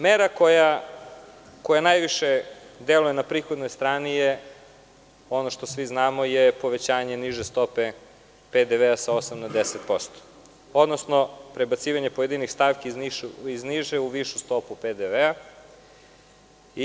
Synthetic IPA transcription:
meɾakoja | ko̞janajʋiʃed̪elujenapɾiːxod̪nojst̪ɾaːnije | o̞noʃt̪o̞sʋiznaːmojepo̞ʋe̞t͡ɕaːɲe̞niʒest̪o̞pe | ped̪eʋeasao̞samnad̪eset̪po̞st̪o̥ | o̞d̪nosno̞pɾebat̪siːʋaɲe̞po̞jed̪inixst̪aʋkiiizniʒeuʋiʃust̪o̞puped̪eʋea | i

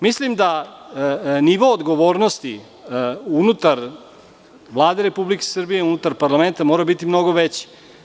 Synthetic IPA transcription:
mislimd̪a | niʋo̞ːd̪ɡo̞ʋo̞ːɾno̞st̪i | unut̪aɾ | ʋlˠaːd̪e̞ɾepublike̥sr̩bije̞unut̪aɾpaɾlˠame̞nt̪amoːɾabit̪imno̞ɡo̞ʋet͡ɕe̥

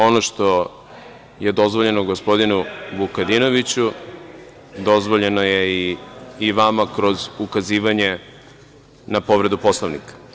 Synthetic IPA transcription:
o̞noʃt̪o̞ | je̞d̪o̞zʋo̞ʎe̞noɡo̞spo̞d̪inubukad̪ino̞ʋit͡ɕu | d̪o̞zʋo̞ʎe̞noje̞iː | ʋamakɾo̞zukaziːʋaɲe̞ | napo̞ʋɾe̞d̪upo̞slˠoʋnḭkḁ

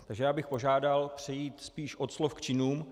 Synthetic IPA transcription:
t̪aɡʒɛjaːbɪxpo̞ʒaːdalpr̝̥ɛjiːt̪spiːʃʔot̪slofkt͡ʃɪnuːm

